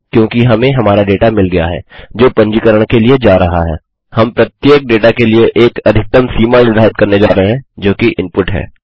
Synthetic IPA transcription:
kjõːkiɦɐmẽɦɐmaːɾaɖeːʈamɪlɡɐja̰ɦɛ̰ːd͡ʒoːpɐ̃ɲd͡ʒikəɾəɽ̃kelied͡ʒaːɾɐɦa̰ɦɛ̰ː | hɐmpɾɐt̪jeːk̚ɖeːʈakelieʔeːkɐd̪ʱɪk̚t̪əmsiːmaːlnɪd̪ʱaːɪt̪̚kɐɾned͡ʒaːɾəɦeɦɛ̃d͡ʒoːkiʔɪ̃mpʊʈɦɛ̰ː

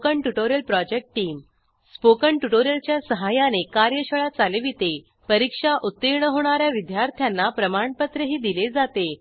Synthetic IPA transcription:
kəɳʈuʈoɾijəlpɾɔd͡ʑek̚ʈʈiːm | spokəɳʈuʈoɾijəlt͡ɕjasəɦajanekaɾjəɕəɭat͡saleʋit̪e | pəɾikʂaʔut̪ːiɾɳəɦoɳ̃aɾjaʋid̪ʱjaɾt̪ʰjanːapɾəmaɳpət̪ɾəɦiːd̪iled͡zat̪e

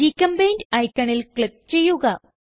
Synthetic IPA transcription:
ikɐmbɐjndɐjkʲːɐɳilkɭik̚t͡ɕe̞jːuɣɐ

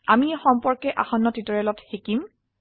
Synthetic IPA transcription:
amiɛxɔmpɔɹkɛʔa̰xɔnːɔtitɔɹɛlɔtxekim

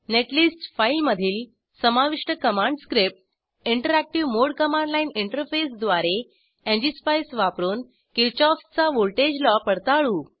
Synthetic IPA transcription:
neʈlisʈfajlməd̪ʱiːl | səmaʋiʂʈəkəmãɳɖskɾip̚ʈ | iɳʈəɾæk̚ʈiʋmoɽkəmãɳɖlainiɳʈəɾfesd̪ʋaɾe | ẽɲd͡ʑispajsʋapɾuːn | kiɾt͡ɕɔft͡saʋolʈed͡ʑlɔpəɽt̪aɭuː

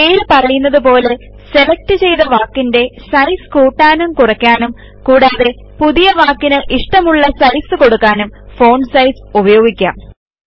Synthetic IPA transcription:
ejilpɐrɐjunːɐðɨpo̞ːle̞ | se̞lek̚tɨt͡ɕe̞jðɐʋaːkːinde̞sɐjskuːʈːaːnumkurɐkʲːaːnum | kuːɽaːðe̞ | puðijɐʋaːkːinɨʔiʂʈɐmuɭːɐsɐjsɨko̞ɽukːaːnumfo̞ːɳɖsɐjsubɐjo̞ːɡikʲːa̰m

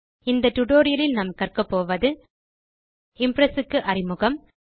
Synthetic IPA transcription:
ɪnd̪ɐt̪ʊʈoːɾɪjɐlɪlnɐmkɐrkɐpːoːʋɐðɯ | ɪmpɾɐsɯkːɯʔɐrɪmɯɣɐm

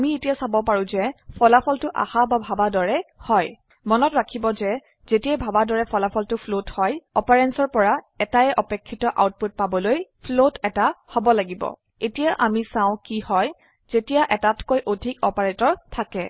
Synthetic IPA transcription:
amietijasabɔpaɹũzɛpʰɔlapʰɔltʊʔa̰hababʱabadɔɹɛhɔj | mɔnɔtɹakʰibɔzɛ | zetiɛbʱabadɔɹɛpʰɔlapʰɔltʊpʰlothɔjɔpaɹɛnsɔɹpɔɹa | ɛtaɛʔɔpekʰːitɔʔa̰wt̚put̚pabɔlojpʰlotɛtahobɔlaɡibɔ̰ | etijaʔamisãʊ̃kihɔj | z̥etijaʔɛtatkojʔodʱikɔpaɹetɔɹtʰakɛ

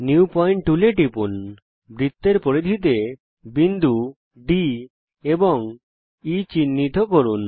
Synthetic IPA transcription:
njuupɔjɳʈʈuleʈipun | bɾit̪ːeɾpoɽid̪ʱit̪e | bind̪u | ɖi | ebɔŋ | it͡ʃinːit̪ɔkɔɾun

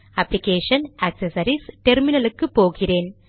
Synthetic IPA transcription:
ɐpːlɪkeːʂɐnɐksɐsɐɾisʈɛɾmɪnɐlɯkːɯpoːɣɪreːn

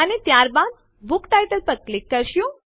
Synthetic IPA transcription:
anit̪jaɾbãm | bukʈ̪ajʈ̪əlpəɡ̚klikːəɾɕũ

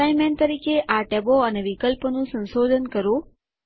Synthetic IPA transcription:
ajmẽɳʈt̪əɾikʰeʔaʈeboəneʋikəlpnũsə̃nsod̪ʱənkəɾũ

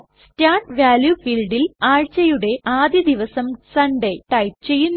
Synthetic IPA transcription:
taːɳɖʋaːljufilɖilaːɻt͡ɕɐjuɽe̞ʔaːd̪jɐd̪iʋɐsɐmsɐɳɖeʈɐjp̚t͡ɕe̞jːunː

